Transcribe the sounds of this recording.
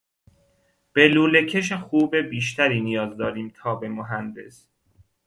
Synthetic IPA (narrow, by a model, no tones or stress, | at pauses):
b̥eluːle̞cʰeʃexuːbebiːʃ̬t̪ʰæɾiːnijɒːzd̪ɒːɾiːmt̪ʰɒːbe̞moɦænd̪e̞s